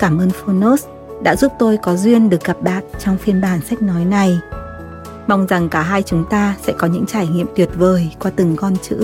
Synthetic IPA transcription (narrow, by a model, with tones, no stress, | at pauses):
kaː˧˩mʔəː˧nfo˧no˦˥s | ɗa̰ː˧˥zu˦˥p̚t̪o˧jkɔ˨˦zwi˧ənɗɨ˨˩ək̚ɣa˨˩p̚ɗaː˨˩t̚t͡ɕɔ˧wŋ͡mfi˧ənɓaː˧˩nsa˦˥k̟̚nɔ˨˦jna˨˩j | ma˧wŋ͡mza˨˩ŋkaː˧˩ɦaː˧jt͡ɕʊ˨˦ŋ͡mt̪aː˧sɛ̰˧˥kɔ˨˦ɲɨ̰˧˥ŋt͡ɕaː˧˩jŋḭ˧˨əmt̪wi˨˩ət̚vəː˨˩jkwaː˧t̪ɨ˧˩ŋkɔ˧nt͡ɕɨ̰˧˥